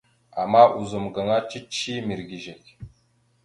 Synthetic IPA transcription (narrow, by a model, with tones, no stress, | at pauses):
a˨ma˦ʔu˨zo˨mɡa˨ŋa˦t͡ʃi˦t͡ʃi˦mi˨ɾɡi˨ʒe˨kʲ